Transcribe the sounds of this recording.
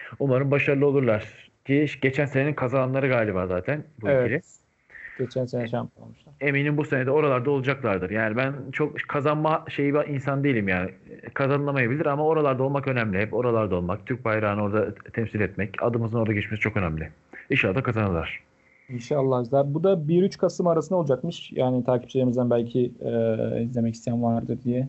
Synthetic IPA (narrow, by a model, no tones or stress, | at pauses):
umaɾɯnbaʃaɾlˠɯo̞lˠuɾlˠaɾ̥ | cʰiʃɟe̞t͡ʃʰænse̞neinkʰazanˠanlˠaɾɯɡaːlʲibaːzaːt̪ʰænbuevilʲi | ɡ̥et͡ʃʰænsenɛʃampʰo̰lmuʃˠae̞mejninbuse̞ned̪ɛo̞ɾalˠaɾd̪ao̞lˠud͡ʒaklˠaɾd̪ɯɾjaːnibænt͡ʃʰo̞kkʰːazanmaʃe̞jibiʔinsand̪ejilʲimjaːnɪkʰazanɯlˠamajabilʲiɾamao̞ɾalˠaɾd̪alˠmakø̞næmlʲiɦɛpo̞ɾalˠaɾd̪aolˠmak̚t̪ʰyɾc̚bajɾaːnɯo̞ɾd̪at̪ʰɛmsilɛt̪mɛca̰d̪ɯmɯzɯno̞ɾd̪aɡɟet͡ʃmesit͡ʃʰo̞kø̞næmlʲɪ | iʃalːˠad̪akʰazanɯlˠaɾ̥ | inʃalˠːahizlˠaɾbud̪abiɾyt͡ʃkʰasɯmaɾasɯnd̪aolˠud͡ʒakmɯʃja̰ːnit̪ʰaːcʰi̥p̚t͡ʃʰilʲeɾimizd̪ænbælʲcʰi | izlʲe̞mɛcist̪ʰijænvaɾd̪ɯɾd̪ijɛ